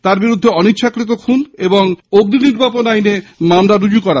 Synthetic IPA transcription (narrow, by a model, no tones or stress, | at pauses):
t̪aɾbiɾud̪ʱːeɔnitːɕʰakɾit̪̬okʰuneboŋoɡd̪iniɾbʱaponajnemamɾaɾud͡ʑukɔɾa